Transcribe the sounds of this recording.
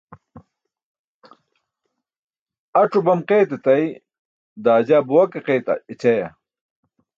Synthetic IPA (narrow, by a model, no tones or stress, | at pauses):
ɐʈ͡ʂubɐmqeːt̪et̪ɐj | d̪aːd͡ʑaːbuwɐkeqejt̪ɐ̰it͡ɕɐjɐ